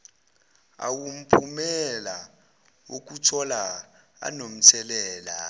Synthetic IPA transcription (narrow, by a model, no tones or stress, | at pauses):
a̰wum̩pʰumɛla | wok̬utʰɔla | a̰nom̩tʰɛlɛːla